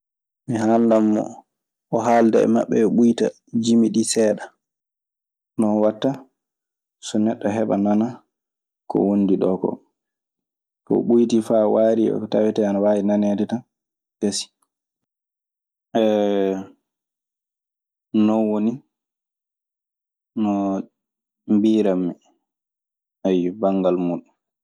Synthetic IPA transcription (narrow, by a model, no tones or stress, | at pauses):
miɦandamːɔ̰ | ʔɔɦaldɛɛ̰ma̰ɓːɛɓujta̰ | d͡ʒimiɗisɛːɗa | nɔnwatːa | sɔnɛɗːɔɦɛɓanana | kɔ̰wondiɗɔkɔ̰ | kɔ̰ɓujtifawaːɾiɔ̰kɔtawɛtɛanawaːjinanedɛtan | kesi̥ | ɛ | nɔwoni | nɔ | mbiːɾamːɛ | ajbaŋɡalmuɗun